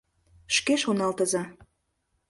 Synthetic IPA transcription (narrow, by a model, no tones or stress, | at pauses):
ʃkeʃonɑlt̪ə̆zɑ